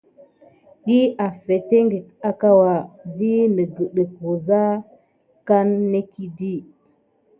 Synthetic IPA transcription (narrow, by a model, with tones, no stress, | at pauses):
ji˦a˨fe˨te˦ŋɡe˨ta˦ka˦wa˨vi˦nə˨ɡə˨ɗe˨ko˨za˦ | ka˦nːe˦ki˦di˦